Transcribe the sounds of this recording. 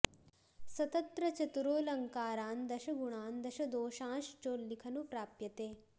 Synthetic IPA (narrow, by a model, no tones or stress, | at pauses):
sɐt̪ɐnt̪ɾɐt͡ʃɐt̪uɾoːlɐŋkaːɾaːnd̪ɐʃɐɡuɳaːnd̪ɐʃɐd̪oːʃãːʃt͡ʃoːlːikʰɐnupɾaːpjɐt̪eː